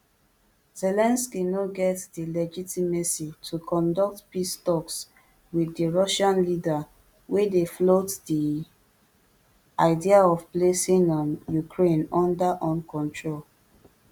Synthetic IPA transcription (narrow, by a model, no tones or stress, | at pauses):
z̥ɛlɛ̃nskinɔɡɛtdilɛd͡ʒitimesitʰukʰɔ̃ndɔk̚tpistɔks | widiɹɔʃãnlida | wedeflotdi | aɪdiaɔvplesĩŋɔ̃njukɹẽnɔ̃ndaʔɔ̃nkʰɔ̃ntʰɹol